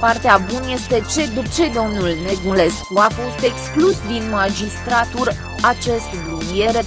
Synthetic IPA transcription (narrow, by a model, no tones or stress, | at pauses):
part̪eabunje̞st̪e̞t͡ʃed̪t͡ʃe̞d̪o̞mnulne̞ɡule̞skuafo̞st̪e̞ksklusd̪inmad͡ʒist̪ɾat̪uɾ | at͡ʃe̞st̪bɾumie̞ɾe